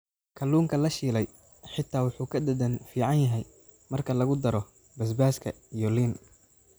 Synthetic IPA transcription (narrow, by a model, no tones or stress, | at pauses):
kʰɐluːŋkʰɐlɐʃiːlɛj | ħɪt̪ʰːaːwʊħuːkʰɐd̪ɐd̪ɐnfiːʕɑnjɐɦɛj | mɐrkʰɐlɐɣʊd̪ɐɾɔ | bɐs̬baːskʰɐ̰ | ijɔliːn